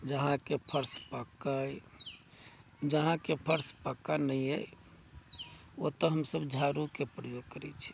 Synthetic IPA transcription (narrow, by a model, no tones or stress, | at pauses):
d͡ʒəɦãkepʰəɾspəkəj | d͡ʒəɦãkepʰəɾspəkːanəjə̰ | ot̪əɦəmsəbd͡ʒʱaɾukepɾəjoɡ̚kəɾɛ̰t͡ʃʰi̥